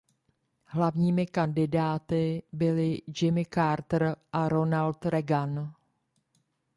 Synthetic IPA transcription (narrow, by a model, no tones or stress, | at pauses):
ɦlavɲiːmɪkandɪdaːt̪ɪbɪlɪd͡ʒɪmɪkaɾt̪r̩ʔaɾo̞nalt̪ɾɛɡan